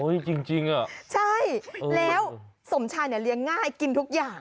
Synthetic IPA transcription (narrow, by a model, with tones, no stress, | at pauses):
ʔo˦˥˩jt͡ɕi˧ŋt͡ɕi˧ŋʔa˨˩t͡ɕʰa˥˩jlɛː˦˥wso˩˦mt͡ɕʰaː˧jnɛ˧˩li˧əŋːaː˥˩jki˧nt̪ʰu˦˥k̚jaː˨˩ŋ